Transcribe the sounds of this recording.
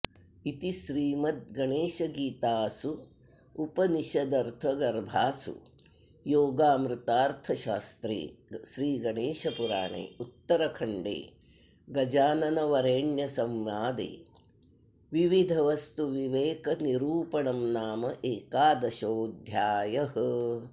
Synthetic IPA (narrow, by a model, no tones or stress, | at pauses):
it̪iʃɾiːmɐt̪̚ɡɐɳeːʃɐɡiːt̪aːsuː | pɐniʃɐd̪ɐɾt̪ʰɐɡɐɾbʱaːsṵ | joːɡaːmɾɪt̪aːɾt̪ʰɐʃaːst̪ɾḛːʃɾiːɡɐɳeːʃɐpuɾa̰ːɳḛːut̪ːɐɾɐkʰɐɳɖḛː | ɡɐd͡ʒaːnɐnɐʋɐɾeːɳjɐsɐmʋaːd̪ḛː | ʋiʋid̪ʱɐʋɐst̪uʋiʋeːkɐniɾuːpɐɳɐmnaːmɐʔeːkaːd̪ɐʃoːd̪ʱjaːjɐɦɐ̆